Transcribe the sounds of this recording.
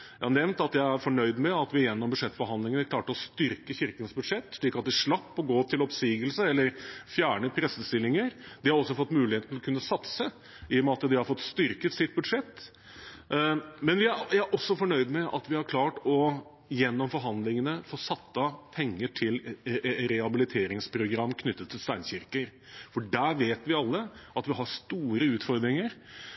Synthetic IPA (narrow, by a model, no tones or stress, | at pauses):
jæɪhɑnɛʋnt̪ɑt̪jæɪæɾfɔɳœʏd̪mɛɑt̪ʋɪjɛnːɔmbʉʂɛt̪ːfɔɾhɑnd̪lɪŋənəkʰlɑːʈəɔst̪ʏɾkəçɪɾkənsbʉd̪ʂɛt̪ːʂɭiːkɑt̪̚d̪ɛʂɭɑpːɔɡoːp̚t̪ʰɪlɔpsiːɡəlsəɛlːəɾfjæːɳəpʰɾɛsəst̪ɪlːɪŋəɾd̪ɪhɑɾɔsːɔfɔt̪ːmʉːlɪheːt̪ːɔkʉnːəsɑt̪sə | ʔɪjɔmɑt̪ːəd̪ɪhɑɾfɔt̪ːst̪ʏɾkət̪sɪt̪̚bʉd̪ʂɛt̪ː | mɛnʋɪæjææɾʔɔsːɔfɔɳœʏd̪mɛʔɑt̪ʋɪhɑɾkʰlɑːʈɔ | jɛnːɔmfɔɾɦɑnd̪lɪŋənəfoːsɑt̪ːəpʰɛŋːəʈʰɪlɾɛhɑbɪlɪt̪ʰeːɾɪŋspʰɾʊɡɾɑmːkʰnʏt̪ːət̪ʰːɪlst̪æɪnçɪɾkəɾ | fɔɖæɾʋeːt̪ʋɪɑlːəʔɑt̪ʋɪɦɑɾst̪uːɾəʉːt̪fɔɾd̪ɾɪŋəɾ